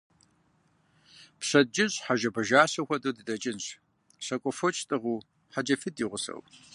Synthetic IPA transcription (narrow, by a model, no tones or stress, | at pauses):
pɕʷɐd̚d͡ʒɪɕʼħaʒɐbɐʒaːɕɐxʷɐdodɨdɐt͡ʃʼɪnɕ | ɕɐkʷʼɔfot͡ʃʰʼtʼɨʁuː | ħad͡ʒɐfɨdiːʁʷʊsɐ̰w